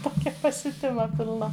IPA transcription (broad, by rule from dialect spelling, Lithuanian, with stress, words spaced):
ˈtoːkʲɛ pɐsʲʊˈtʲɪmɐ pʲɪlˠˈnɐ